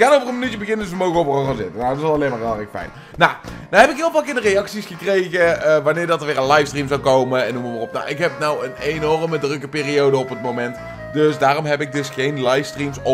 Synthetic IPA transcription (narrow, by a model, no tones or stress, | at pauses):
ɪkanowvərənmənytjəbəɣɪnəndsʋəmowɣəɔpəroxanzɪtənaətɪsɑlˠɑlejmaːɹɦɪːlˠrɛkfɛ̰jn | nanaɦɛpɪkɦɪːlˠvaːlˠkɪːndərejɑksisχəkrejɣəəʋanɪːɹdɑtərʋɪːrənlɑjfstrimzɑwkowməɛnːuməmarɔpna̰ʔɪkɦɛpnawənenɔrmədrɵkəpɪːriowdəɔpət̚mowmɛnt | døsdaːrɔmɦɛpɪk̚dɵsχejnlɑjfstrimsɔ